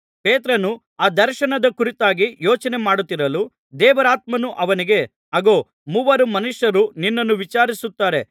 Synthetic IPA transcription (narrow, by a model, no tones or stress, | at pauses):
peːt̪ɾɐnu | aːd̪ɐɾʃɐnɐd̪ɐkuɾit̪aːɡijoːt͡ʃɐne̞maːɽut̪ːiɾɐlu | d̪ɛːʋɐɾaːt̪̚mɐnuʔɐʋɐniɡe̞ | ɐɡo̞ː | muʋɐɾumɐnuʂjɐɾuninːɐnːuʋit͡ʃaːɾisut̪ːaːɾe̞